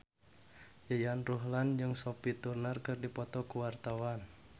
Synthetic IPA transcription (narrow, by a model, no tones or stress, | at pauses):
jəjanruɦland͡ʒɨŋsopit̪urnarkɨrdipɔt̪ɔkuwart̪awan